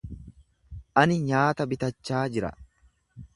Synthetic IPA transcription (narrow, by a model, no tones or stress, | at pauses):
ʔɐnɪɲaːt̪ɐbɪt̪ɐt͡ʃːaːd͡ʒɪɾɐ̰